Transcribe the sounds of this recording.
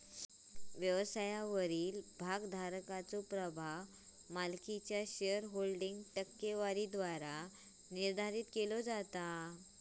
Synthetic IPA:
ʋjəʋəsajaʋəɾiːlbʱaɡd̪ʱaɾkat͡sopɾəbʱaʋ | malkit͡ɕjaɕeəɾɦolɖiŋɡʈəkːeʋaɾid̪ʋaɾa | niɾd̪ʱaɾiːt̪kelod͡zat̪a

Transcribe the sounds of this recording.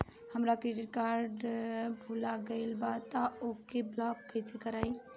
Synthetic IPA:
həmɾakɾeɖiʈ̚kaɾɖbʱulaɡəɪlbat̪aokeblɔkːəjsekəɾaj

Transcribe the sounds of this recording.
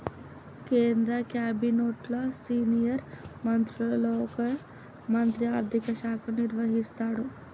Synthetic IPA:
keːnd̪ɾɐkjaːbinoːʈloːsiːnijɐɾmɐnt̪ɾulɐloːɔkɐ | mɐnt̪ɾiaːɾd̪ʱikɐʃaːkʰɐniɾʋɐɦist̪aːɽu

